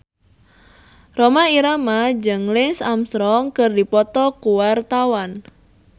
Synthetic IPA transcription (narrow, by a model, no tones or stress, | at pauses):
romaiɾamad͡ʒəŋlɪnsamst̪ɾɔŋkərdipɔt̪ɔkuwart̪awan